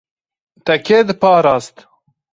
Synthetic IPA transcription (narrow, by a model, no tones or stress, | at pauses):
t̪ɛkʰeːd̪ɨpɑːɾaːst̪